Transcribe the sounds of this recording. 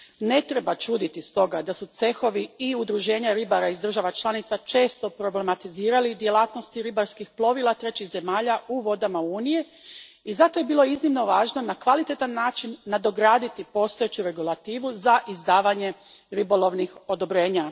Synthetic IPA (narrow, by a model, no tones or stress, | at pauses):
ne̞t̪ɾe̞bat͡ʃuːd̪it̪ist̪o̞ɡad̪asut̪se̞xo̞ʋiiud̪ɾuʒe̞ːɲaɾibaɾaizd̪r̩ʒaʋat͡ʃlˠanit̪sat͡ʃe̞ːst̪o̞pɾo̞ble̞mat̪iziːɾalid̪je̞lˠaːt̪no̞st̪iɾibaɾskixplˠo̞ʋilˠat̪ɾe̞t͡ɕiɣze̞maːʎauʋo̞d̪amauːnije̞ | izat̪o̞je̞biːlˠo̞iznimno̞ʋaːʒno̞nakʋalit̪et̪anːaːt͡ʃinːad̪o̞ɡɾaːd̪it̪ipo̞ːst̪o̞et͡ɕuɾe̞ɡulˠat̪iːʋuzaʔizd̪aːʋaɲe̞ɾibolˠo̞ʋnixo̞d̪o̞bɾe̞ːɲa